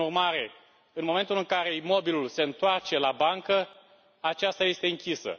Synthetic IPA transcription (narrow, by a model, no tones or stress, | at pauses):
urmaɾe̞ | ɨnmome̞nt̪ulɨŋkaɾe̞imo̞bilulse̞ɨnt̪oart͡ʃe̞labaŋkə | at͡ʃast̪aje̞st̪e̞ɨŋkʲisə̰